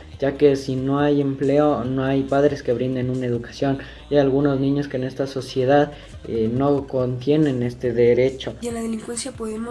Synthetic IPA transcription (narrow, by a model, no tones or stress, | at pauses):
ɟ͡ʝake̞sino̞aje̞mple̞o̞no̞ajpaðɾe̞ske̞βɾind̪e̞nunae̞ðukḁsjo̞n | aalɣuno̞znĩɲo̞skeːne̞st̪aso̞sje̞ð̞að | eno̞ko̞nt̪je̞ne̞ne̞st̪e̞ðe̞ɾe̞t͡ʃo̞enlaðeliŋkwensjapoðemo